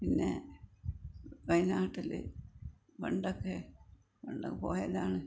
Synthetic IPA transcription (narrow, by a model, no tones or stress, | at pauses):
pinːe̞̰ | ʋɐjnaːʈːilɨ̰ | ʋeɳɖokːe | ʋɐɳɖo̰kːpo̰ːjɐðaːɳɨ